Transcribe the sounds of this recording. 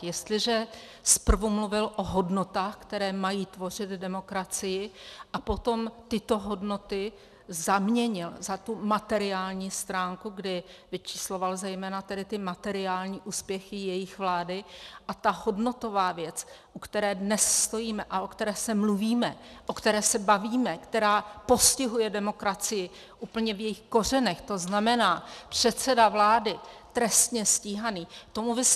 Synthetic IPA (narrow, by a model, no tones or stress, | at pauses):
jɛst̪lɪʒɛ | spr̩vumluvɪlʔoɦo̞dno̞t̪aːxkt̪ɛɾɛːmajiːt̪vo̞r̝ɪd̪dɛmo̞kɾat͡sɪjɪʔapo̞t̪o̞mt̪ɪt̪o̞ɦo̞dno̞t̪ɪ | zamɲɛɲɪlzat̪umat̪ɛɾɪaːlɲiːst̪ɾaːŋkuɡdɪvɪt͡ʃi̥slo̞valzɛjmɛːnat̪ɛdɪt̪ɪmat̪ɛɾɪaːlɲiːʔuːspjɛxɪjɛjɪxvlaːdɪʔat̪aɦo̞dno̞t̪o̞vaːvjɛt͡s | ʔukt̪ɛɾɛːdnɛsst̪o̞jiːmɛʔaʔokt̪ɛɾɛːsɛmluviːmɛ̰ʔo̞kt̪ɛɾɛːsɛbaviːmɛkt̪ɛɾaːpo̞scɪɦujɛdɛmo̞kɾat͡sɪjɪ | ʔuːpl̩ɲɛvjɛjɪxko̞r̝ɛnɛxt̪o̞znamɛnaːpr̝̥ɛt̪t͡sɛdavlaːdɪt̪ɾɛst̪ɲɛsciːɦaniːt̪o̞mubɪs